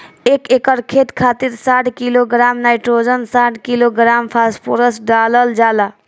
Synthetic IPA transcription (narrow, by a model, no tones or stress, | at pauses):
ekekəɾkʰet̪kʰaːt̪iɾsaʈʰkiloɡɾaːmnaːɪʈɾod͡ʒənsaʈʰkiloɡɾaːmpʰaspʰoɾəsɖaləld͡ʒaːla